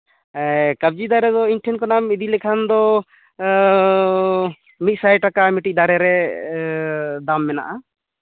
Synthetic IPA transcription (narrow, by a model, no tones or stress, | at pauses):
kəb̚d͡ʒid̪aɾɛd̪ɔinʈʰɛnkɔnamid̪ilɛkʰand̪ɔ | mit̪̚ˀsajʈakamiʈid̪aɾɛɾɛ | d̪amːɛna̰ʔa